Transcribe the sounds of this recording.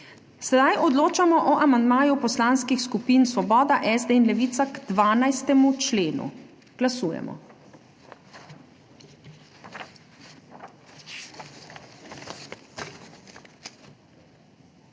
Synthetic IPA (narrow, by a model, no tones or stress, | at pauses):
sɛd̪ajʔɔd̪loːt͡ʃamɔʔɔʔamand̪maːjupɔslaːnskixskupiːnsʋɔbɔːd̪aʔɛzd̪einlɛʋiːt̪saɡd̪̥ʋaːnajst̪ɛmut͡ʃleːnṵ | ɡ̥lasuːjɛ̰mɔ̰